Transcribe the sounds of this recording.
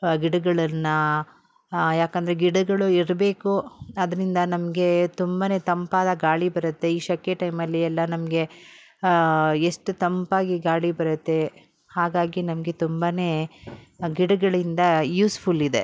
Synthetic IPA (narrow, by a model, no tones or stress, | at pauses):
ɡiɽɐɡɐɭɐnːɐ | jaːkɐnd̪ɐɾeɡiɽɐɡɐɭuiɾbe̞ːkuɐd̪ɐɾind̪ɐnɐmɐɡe̞t̪umbɐne̞ːt̪ɐmpaːd̪ɐɡaːɭibɐɾɐt̪ːe̞iːʃɐkːeʈɐjmɐlːiɛlːɐnɐmɐɡe̞ | eʂʈut̪ɐmpaːɡiɡaːɭibɐɾɐt̪ːe̞ | haːɡaːɡinɐmɐɡe̞t̪umbɐne̞ː | ɡiɽɐɡɐɭind̪ɐjuːspʰulid̪e̞